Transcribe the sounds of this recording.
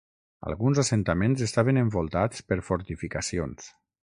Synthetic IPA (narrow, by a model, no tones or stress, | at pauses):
a̰lˠɣunzasent̪amẽnzest̪aβeneɱbolˠt̪at͡spəɾfoɾt̪ifikasions